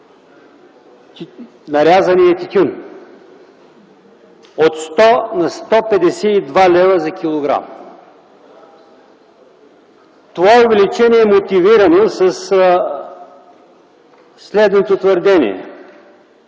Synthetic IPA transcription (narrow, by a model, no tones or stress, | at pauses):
nɐɾʲazɐniɐt̪it̪ʲun | ot̪st̪ɔnɐst̪ɔpɛd̪ɛsɛid̪valʲɛvɐzɐkʲilˠoɡɾa̰m | t̪ovaovɛlit͡ʃɛniɛːmot̪iviɾɐnosɐs | slɛd̪not̪ot̪vəɾd̪ɛnḭɛ̰